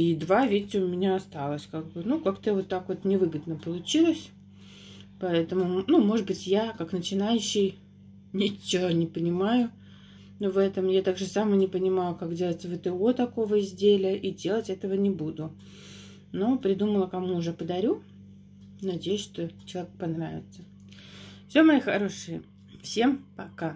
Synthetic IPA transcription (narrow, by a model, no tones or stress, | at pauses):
id̪vavʲetʲːɪʊmʲɪnʲaɐst̪alˠəsʲkaɡ̚bɨnukakt̪əvot̪ːakvo̞t̪nʲɪvɨɡəd̪nəpəlˠʊt͡ɕilˠəsʲ | pɐɛt̪əmʊnumo̞ʐɨt̪bɨtʲjakaknət͡ɕɪnajʉɕːɪj | nʲɪt͡ɕːonʲɪpənʲɪmajʊ | vɛt̪əmjat̪aɡʐɨsamənʲɪpənʲɪmajʊkakdʲe̞lˠətʲvɨt̪əot̪ɐko̞vəɪzʲdʲelʲɪəʔidʲe̞lˠətʲɛt̪əvənʲɪbud̪ʊ | no̞pɾʲɪd̪uməlˠəkɐmuːʐɛpəd̪ɐɾʲu | nɐdʲejʊsʲʂt̪o̞t͡ɕɪlˠɐvʲekpɐnɾavʲɪ̰t̪sə | fsʲo̞mɐixɐɾo̞ʂɨjɪ | fsʲe̞mpɐka